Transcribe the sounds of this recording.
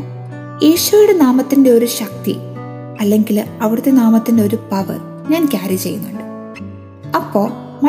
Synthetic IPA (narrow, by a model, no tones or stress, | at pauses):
jiːɕuɐjuɽe̞naːmɐt̪ːinde̞o̞ɾuɕɐk̚t̪ḭ | ɐlːe̞ŋɡilɐʋiɽɨt̪ːe̞naːmɐt̪ːinde̞o̞ɾupɐʋɨ̰ | ɲaːnkʲaːɾjɐmt͡ɕe̞jːunːuɳɖɨ | ɐpːo̞ː | mɐ